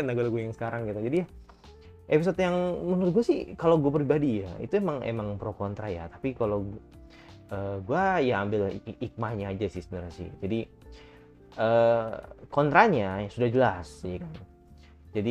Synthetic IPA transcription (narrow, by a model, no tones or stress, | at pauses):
ndaɡualaɡuajaŋsə̥kaɾaŋɡit̪ad͡ʒadija | episot̪̚jaŋmənt̪̚ɡuasɪhkalowɡuapɾibadijaḭt̪uemaŋḛmaŋpɾokɔnt̪ɾaja̰t̪apikalow | əɡuajaːmbɪlik̚mahɲaːd͡ʒasɪhsənəɾasɪ̰hd͡ʒadi | əːkɔnt̪ɾaɲasudahd͡ʒəlasjakan | d͡ʒadi